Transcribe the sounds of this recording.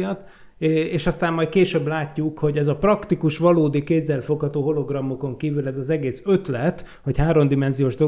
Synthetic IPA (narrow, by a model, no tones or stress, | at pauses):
t̪ | eːʃɒst̪aːmːɒjt̪̚keːʃøːblaːcːukho̞ɟɛzɒprɒkt̪ikuʃʋɒloːd̪ikeːzːɛlfo̞khɒt̪oːɦo̞lo̞ɡrɒmːoko̞ŋkiːvylɛzɒzɛɡeːsøt̪lɛt̪ | ho̞chaːɾo̞md̪imɛnzijoːʒd̪o